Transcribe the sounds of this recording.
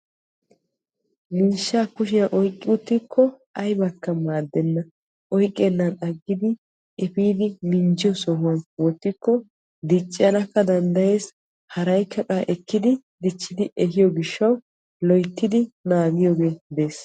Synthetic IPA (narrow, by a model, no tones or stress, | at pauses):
miːʃːaːkʊʃɪjɐʔɔjkʼːɪʊt̪ːɪkʰːɔ | ɐjbɐkːɐmaːd̪ːɛnːɐ | ʔɔjkʼːenːɐnɐɡːɪd̪ɪ | ɛfiːd̪ɪmɪnd͡ʒɪjɔsɔɦʊwɐnwɔt̪ːɪkːɔ | d̪ɪt͡ʃʼːɪjɐnɐkːɐd̪ɐnd̪ɐje̞ːs | hɐɾɐjkʰːɐkʼaːʔɛkːɪd̪ɪ | d̪ɪt͡ʃːɪd̪ɪʔɛhɪjɔɡɪʃːɐw | lɔjt̪ːɪd̪ɪnaːɡɪjoːɡe̞ːb̪e̞ːs